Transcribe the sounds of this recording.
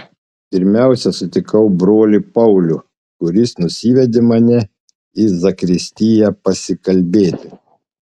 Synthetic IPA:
pʲɪɾʲmʲæˑʊsʲɛsʊt̪ʲɪkɐʊbɾoːlʲɪpɐʊlʲʊ | kʊɾʲɪsnʊsʲiːʋʲɛd̪ʲɪmɐnʲɛ | izɐkɾʲɪsʲt̪ʲijɛpɐsʲɪkɐlʲbʲeːt̪ʲɪ

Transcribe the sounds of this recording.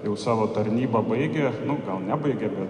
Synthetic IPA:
jɛʊsɑːʋoːt̪ɐɾʲnʲiːbɐbɐɪɡʲenʊɡɐlˠnʲæbɐɪɡʲɛbʲɛt̪

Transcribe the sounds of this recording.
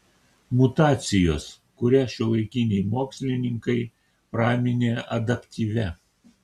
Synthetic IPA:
mʊt̪ɑːt̪sʲɪjoːs | kʊɾʲæʃʲɪlˠɐɪkʲɪnʲɛɪmoːksʲlʲɪnʲɪŋkɐɪ | pɾɑːmʲɪnʲeːʔɐ̰d̪ɐpʲt̪ʲiːʋʲɛ

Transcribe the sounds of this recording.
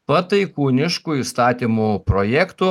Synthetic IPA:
pɐt̪ɐɪkuːnʲɪʃkuːiːst̪ɑːt̪ʲiːmuːpɾojɛkt̪u

